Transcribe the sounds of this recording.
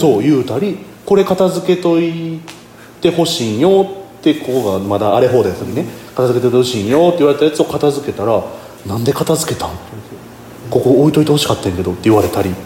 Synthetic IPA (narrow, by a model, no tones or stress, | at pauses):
so̞ːjɯ̟ːt̪aɾʲi | ko̞ɾe̞kat̪azɨke̞t̪o̞i | t̪e̞ho̞ɕiːɰjo̞t̪ːe̞koko̞ɡamad̪aːɾe̞ɦo̞ːd̪ajt̪ːakinekat̪azɨke̞t̪oit̪eoɕĩːɰjo̞t̪ːeiβaɾe̞t̪ajat͡sɨo̞kat̪azɨke̞t̪aɾa | nãnd̪e̞kat̪azɨke̞t̪ã | ko̞ko̞ːit̪o̞it̪e̞ho̞ɕi̥kat̪ːaẽŋke̞d̪o̞t̪ːe̞iβaɾe̞t̪aɾʲi